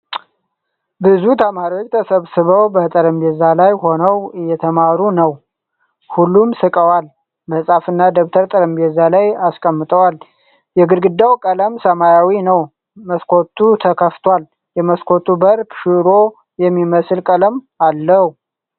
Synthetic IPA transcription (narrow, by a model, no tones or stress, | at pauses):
bɨzut̪ʰəmaɾiot͡ʃːt̪ʰəsəβsɨβəwbət̪ʼəɾəmbezalajho̞nəwɨjɛt̪ʰəmaɾunəw | hulːumsɨkʼəwal | bəsʼafɨnːad̪oβt̪ʰəɾt̪ʼəɾəmbezalajaskʼəmːɨt̪ʼəwal | jɛɡɨɾɡɨd̪awkʼələmsəmajawinəw | məskʰot̪ʰːut̪ʰəkʰəft̪ʰwal | jɛməskʰo̞t̪ʰubəɾbʃɪɾo̞ | jɛmːiməsɨlkʼələm | alːəhu